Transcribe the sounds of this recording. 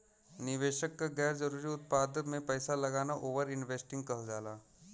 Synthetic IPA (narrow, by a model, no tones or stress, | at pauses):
nɪʋeːʃəkːaɡɛːɾd͡ʒɐɾuːɾiʊt̪̚paːd̪əmẽpɛːsalɐɡaːnaʔoːʋəɾɪnʋeːsʈɪ̃ŋɡ̚kɐɦd͡ʒaːlaː